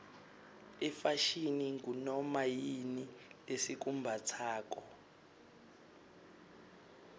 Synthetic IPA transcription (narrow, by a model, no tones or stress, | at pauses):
ɛfaʃiniŋɡunɔmajinilesik̬umbʱat͡sʰaːk̬ɔ